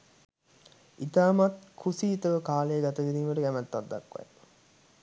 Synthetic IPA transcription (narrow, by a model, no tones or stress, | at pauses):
it̪aːmat̪kʰusiːt̪əʋəkaːlejːɡat̪əʋid̪iːməʈəɡæmæt̪ːad̪ːa̰kʋa̰j